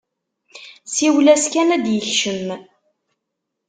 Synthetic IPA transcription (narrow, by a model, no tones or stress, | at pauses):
siwlæskænæd̪jəɬʃəm